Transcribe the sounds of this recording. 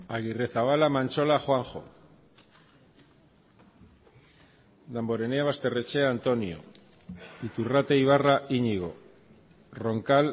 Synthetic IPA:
aɣire̞θaβ̞alamant͡ʃo̞laxwaŋxo̞̰ | d̪ambo̞ɾe̞neaβast̪e̞re̞t͡ʃeant̪o̞nio̰ | it̪urat̪e̞iβ̞araiɲiɣ̞o̞̰ | ro̞ŋkal

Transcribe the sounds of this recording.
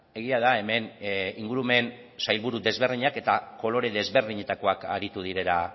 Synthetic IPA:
e̞ɣ̞iað̞ae̞me̞niŋɡuɾume̞n | sajlβuɾuðe̞zβe̞ɾðiɲake̞t̪ako̞lo̞ɾe̞ðe̞zβe̞ɾð̞iɲe̞t̪ako̞aka̰ɾit̪uð̞iɾe̞la

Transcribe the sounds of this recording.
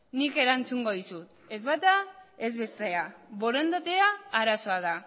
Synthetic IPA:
nike̞ɾant͡suŋɡo̞ðisut̪ | e̞zβat̪ae̞zβe̞st̪eaβo̞ɾend̪at̪eaːɾaso̞aða

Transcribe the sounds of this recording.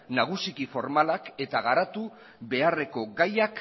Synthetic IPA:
naɣ̞usikifo̞ɾmalake̞t̪aɣaɾat̪u | βe̞are̞ko̞ɡajak

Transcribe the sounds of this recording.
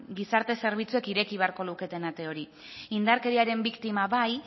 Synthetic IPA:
ɡisaɾt̪e̞se̞ɾβ̞it͡sue̞kiɾe̞kiβe̞aɾko̞luke̞t̪e̞nat̪e̞o̞ɾi | ind̪aɾke̞ɾiaɾe̞mbikt̪imaβaj

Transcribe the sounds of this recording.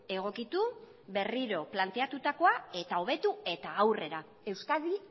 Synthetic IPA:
e̞ɣ̞o̞kit̪u | be̞riɾo̞plant̪e̞at̪ut̪ako̞ae̞t̪ao̞β̞e̞t̪ue̞t̪aːwre̞ɾa | e̞wskaði

